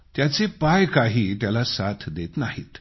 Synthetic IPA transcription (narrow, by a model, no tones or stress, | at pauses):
t̪jat͡sepajkaɦiːt̪jalasat̪ʰd̪et̪naɦḭːt̪